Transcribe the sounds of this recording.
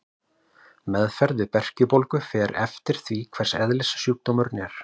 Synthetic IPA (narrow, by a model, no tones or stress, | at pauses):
mɛðfɛɾðvɪpɛr̥cʏpolkʏfɛːɾɛft̪ɪɾ̥θvikʰv̥ɛr̥sɛðlɪssjuːk̚t̪omʏɾnɛɾ̥